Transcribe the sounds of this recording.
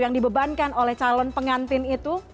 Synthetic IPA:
jaŋdibəbankanolɛht͡ʃalɔnpəŋant̪ɪnit̪u

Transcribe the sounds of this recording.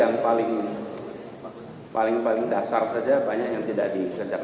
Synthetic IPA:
aŋpalɪŋ | palɪŋpalɪŋdasarsad͡ʒabaɲakjaŋt̪idaʔdikərd͡ʒak

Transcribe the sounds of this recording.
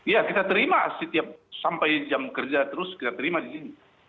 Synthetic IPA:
ijakit̪at̪əɾima̰sət̪iap̚sampajd͡ʒamkərd͡ʒat̪əɾʊskit̪at̪əɾimadisini

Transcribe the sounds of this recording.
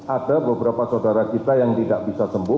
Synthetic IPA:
adabəbəɾapasaudaɾat͡ʃit̪ajaŋt̪idaʔbisasəmbʊ

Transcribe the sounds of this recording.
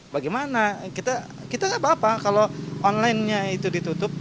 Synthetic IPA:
baɡajmanakit̪a | kit̪asabaːpakaloʔɔnlaɪnɲait̪udit̪ut̪ʊp̚

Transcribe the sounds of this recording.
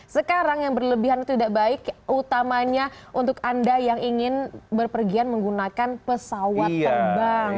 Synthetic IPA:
səkaɾaŋjaŋbərləbiɦant̪ut̪idaʔbaɪkut̪amaɲaʔunt̪ʊkandajaŋʔiŋɪnbərpərɡianməŋɡunakanpəsawaərbaŋ

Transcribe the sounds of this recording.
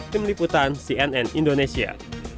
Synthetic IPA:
t̪ɪmliput̪ansiɛnɛnindonesia̰

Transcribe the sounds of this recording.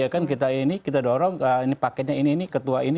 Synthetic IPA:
akankit̪̬ainikit̪adoɾɔŋəinipakɛɲainiːnikət̪uaini

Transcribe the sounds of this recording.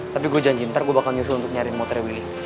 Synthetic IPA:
t̪apiɡuad͡ʒand͡ʒint̪arɡuabakalɲusʊlunt̪ʊk̚ɲaɾɪnmɔt̪ɾɛwilɪ

